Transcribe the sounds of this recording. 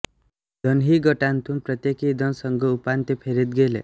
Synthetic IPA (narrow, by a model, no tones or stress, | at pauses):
d̪ʱʌnɦiɡʌʈant̪ʰumpɾʌt̪jekid̪ʱʌnsʌŋɡɔupant̪epʰeɾit̪ɡelḛ